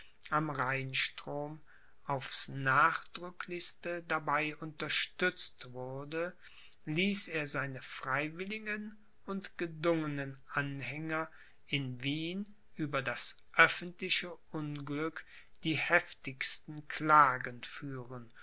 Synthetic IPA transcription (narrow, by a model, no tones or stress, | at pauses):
ʔamʁaɪnʃtʁ̥oːm | ʔaʊfsnaːχd̥ʁʏklɪçstədabaɪʔʊntɐʃtʏt͡stv̥ʊɐdə | liːseːɐzaɪnəfʁ̥aɪvɪlɪɡən | ʊntɡ̥ədʊŋənənʔanhɛŋɐ | ʔɪnviːn | ʔyːbɐdas | ʔœfəntlɪʃəʔʊnɡlʏk | d̥iːhɛftɪçstn̩kʰl̥aːɡənfyːʁən